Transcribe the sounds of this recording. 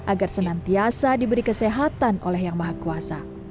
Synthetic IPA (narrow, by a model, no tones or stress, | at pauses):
ʔaɡarsənant̪iasadibəɾikəseɦat̪anʔolɛhjaŋmaɦakuasa